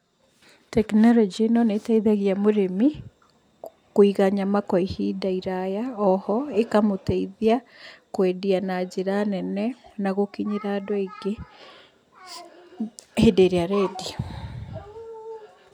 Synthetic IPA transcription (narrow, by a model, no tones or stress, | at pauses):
tɛknɔlɔd͡ʒienɔnetaiðaɣiamoɾemi | kwiɣaɲamakɔihidaiɾajaɔhɔekamotaiðiakwedianad͡ʒeɾanɛnɛnaɣokiɲiɾadɔeɡe | hedeɾeaɾɛdi